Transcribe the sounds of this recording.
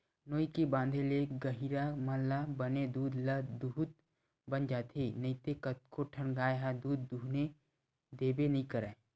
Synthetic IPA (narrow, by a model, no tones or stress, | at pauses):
noːikebãːnd̪ʱelekɡəɦiɾamənlabəned̪uːd̪ləd̪uɦd̪̚ | bənd͡ʒaːt̪ʰenəĩt̪ekət̪̚koʈʰənɡaːeɦad̪uːd̪ːuɦne | d̪eːbenɐɦĩkəɾa